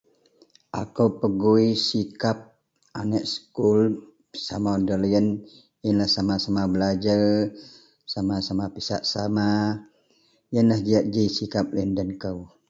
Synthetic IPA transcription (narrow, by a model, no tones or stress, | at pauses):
ʔa̰kəwpəɡuisikap̚ | anəʔ̚sə̥kul | samadəlijən | ənlahsamasamabəlad͡ʒar | samasamapisa̰ʔsama | jənlahd͡ʒiaʔ̚d͡ʒisikap̚ləndənkəw